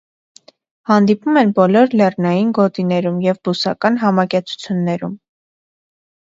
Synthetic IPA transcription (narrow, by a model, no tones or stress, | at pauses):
hɑnd̪ipumɛnbɔlɔɾlɛrnɑjinɡɔt̪inɛɾumjɛvbusɑkɑnɦɑmɑkɛt͡sʰu̥t͡sʰjunːɛɾum